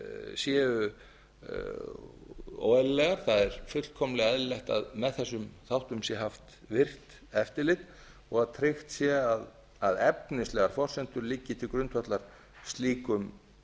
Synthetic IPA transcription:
sjɛːʏ | o̰ːɛllɛɣaɾ̥θaðɛɾfʏt̪l̥kʰɔmlɛɣɛðllɛxt̪a̰ðmɛðθɛs̬ːʏmθawht̪ʏmsjɛɦaft̪ | vɪr̥t̪ | ɛft̪ɪlɪt̪ | ɔɣaðt̪ʰɾext̪sjɛað | aðɛpnɪslɛɣaɾ̥fɔr̥sɛn̥t̪ʏɾliːcɪt̪ʰɪlkɾʏnt̪ʰfœt̪laɾ̥ | st̪liːkʏm

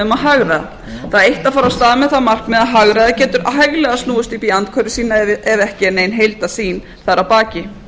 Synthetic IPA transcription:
ʏmaðɦaɣɾaða̰ | θaðejht̪afaːɾast̪aːðmɛðθaðmar̥kmɛðaðɦaɣɾaðacɛːt̪ʏɾaajɣlɛɣast̪nuːʏst̪ipiant̪̚kʰvœɾɪsiːnaɛvɛhcɪɛneːjnɦejlt̪asiːn | θaðɾapaːcɪ

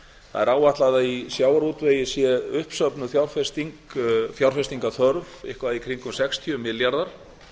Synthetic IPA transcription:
θa̰ðɛɾaːwvaht̪laðaisjaːwaɾut̪vejɪsjɛʏhpsœpnʏθjawɾfɛst̪iŋkθjawɾ̥fɛst̪iŋkaθœɾvɪ̰hkvaðikʰɾiŋkʏmsɛkst̪ʰiʏmɪlːjaɾðaɾ̥

